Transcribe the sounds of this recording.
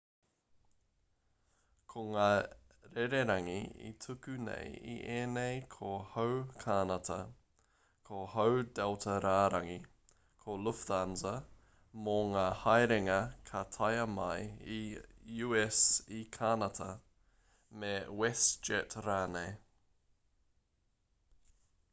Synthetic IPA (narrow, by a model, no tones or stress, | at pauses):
kʰoŋaː | ɾɛɾeɾɐŋḭḭtʰukʉnḛjḭʔeːnejkʰohowkʰanɐtʰɐ̰ | kʰohowdɛltʰɐɾaːɾɐŋi | kʰoluftanzɐ | moŋaːhɐjɾɪŋɐkʰɐtʰajɐmɐjijuːɛsikʰanɐtʰɐ | mewɛsd͡ʒɛtɾaːnej